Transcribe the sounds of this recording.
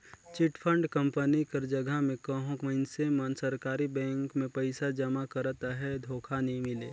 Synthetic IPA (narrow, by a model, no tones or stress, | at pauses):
t͡ʃɪʈpʰə̃ɳɖkə̃mpənikəɾd͡ʒəɡʱamẽkəɦõkmənsemənsəɾkaːɾibɛ̃ːŋkmẽpəɪsad͡ʒəmakəɾt̪aɦɛd̪ʱoːkʰanɐĩmɪleː